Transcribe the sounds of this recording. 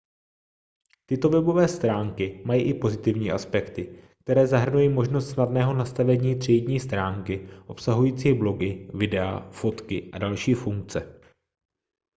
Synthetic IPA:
t̪ɪt̪o̞vɛbo̞vɛːst̪ɾaːŋkɪmajiːʔɪpo̞zɪt̪ɪvɲiːʔaspɛkt̪ɪk̚t̪ɛɾɛːzaɦr̩nujiːmo̞ʒnost̪snadnɛːɦo̞nast̪avɛɲiːt̪r̥ɛjɟɲiːst̪ɾaːŋkɪʔo̞psaɦujiːt͡siːblo̞ɡɪvɪdɛa̰fo̞t̪kɪʔadalʃiːfuŋk̚t͡sɛ

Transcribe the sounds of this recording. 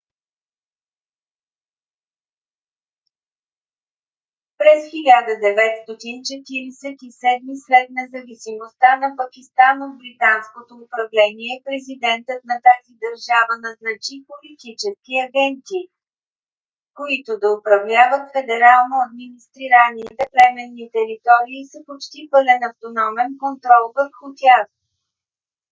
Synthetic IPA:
pɾɛsxilʲad̪əd̪ɛvɛt̪st̪ɔt̪int͡ʃɛt̪iɾisɛt̪isɛd̪mislɛt̪nɛzɐvisimost̪anɐpɐkist̪anod̪̚bɾit̪anskot̪oːpɾɐvlɛniɛpɾɛzid̪ɛnt̪ət̪nɐt̪azid̪ɐɾʒavənɐznɐt͡ʃipolit̪it͡ʃɛskiɐɡɛnt̪iː | koit̪od̪ɐʊpɾɐvlʲavət̪fɛd̪ɛɾalˠnoɐd̪̚minist̪ɾiɾanit̪ɛplɛmɛnːit̪ɛɾit̪ɔɾiːsɐpot͡ʃt̪ipəlɛnɐft̪onɔmɛnkont̪ɾɔlˠvəfxot̪ʲaz

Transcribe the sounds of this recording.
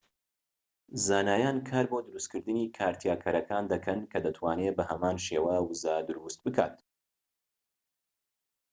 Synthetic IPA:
zaːnaːjaːnkʰaːɾbod̪ɨɾust̪kʰɨɾd̪ɨniːkʰaːɾt̪ʰjaːkʰɐɾɐkʰaːnd̪ɐkʰɐnkʰɐd̪ɐt̪ʰwaːnebɐhɐmaːnʃeːwawɨzad̪ɨɾust̪̚bɨkʰa̰ːt̪

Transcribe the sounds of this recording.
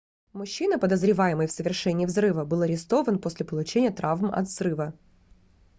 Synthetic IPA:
mʊɕːinəpəd̪əzɾʲɪvajɪməjfsəvʲɪrʂɛnʲɪiːvzrɨvəbɨlˠɐɾʲɪst̪o̞vənposʲlʲɪpəlˠʊt͡ɕenʲɪjət̪ɾʔavmɐ̰t̪zrɨvə

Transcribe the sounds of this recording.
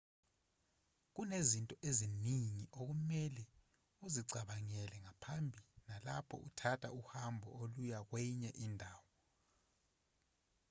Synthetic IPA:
k̬unezintʼɔʔeziniŋiʔok̬umɛlɛ | uziǀʱaɓaŋɛlɛŋapʰambʱinala̰pʰɔ̰ʔṵtʰatʰa̰uhambʱɔ̰olujak̬wɛɲɛʔindʱaːwɔ

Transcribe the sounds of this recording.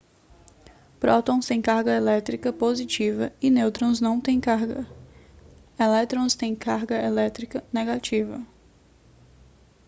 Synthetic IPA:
pɾɔt̪õw̃st̪ẽj̃kaɾɡɐelɛt̪ɾikɐpozit͡ʃivɐɪnewt̪ɾõznɐ̃w̃t̪ẽj̃kaɾɡɐ | elɛt̪ɾõst̪ẽj̃kaɾɡɐelɛt̪ɾikɐneɡat͡ʃivɐ̰

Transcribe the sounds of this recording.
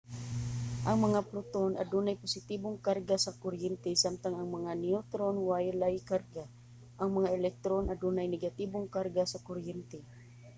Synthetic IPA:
ʔɐŋmɐŋapɾʊt̪ona̰d̪uːnajpʊsɪt̪iboŋkarɡasakʊɾjɛnt̪ɛsamt̪aŋɐŋmɐŋaniʊt̪ɾonwajlajkarɡa | ʔɐŋmɐŋaʔɛlɛk̚t̪ɾonʔad̪uːnajnɛɡat̪iboŋkaɾɡasakoɾjɛnt̪ɛ

